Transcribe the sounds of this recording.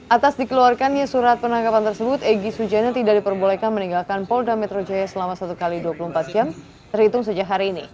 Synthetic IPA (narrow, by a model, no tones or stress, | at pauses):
ʔat̪asdikəluarkanjasuɾat̪̚pənaŋkapant̪ərsəbʊt̪eɡisud͡ʒanat̪idak̚dipərbolɛkanməniŋɡalkanpɔldamɛt̪ɾod͡ʒajasəlamasat̪ukaliduapulumpat̪̚d͡ʒam | t̪ərhit̪ʊŋs̬əd͡ʒakɦaɾiːnḭ